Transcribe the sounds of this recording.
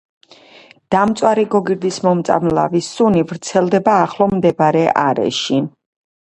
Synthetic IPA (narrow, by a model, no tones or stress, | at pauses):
d̪̥amt̪sʼwaɾiɡɔɡiɾd̪ismɔmt̪sʼa̰mla̰visunivɾt̪sʰɛlˠd̪ɛbaːχlˠɔmd̪ɛbɾɛʔaɾɛ̰ʃi